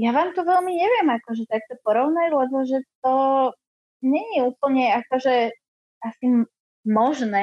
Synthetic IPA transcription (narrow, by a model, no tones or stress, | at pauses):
jaʋaːmt̪ɔʋɛlmiɲɛʋɪɛmakɔʒɛt̪ak̚t̪ɔpɔɾɔʊnajulɛbɔʒɛt̪ɔ | ɲɛɲɛuːpl̩ɲɛakɔʒɛ | asi | mɔʒnɛː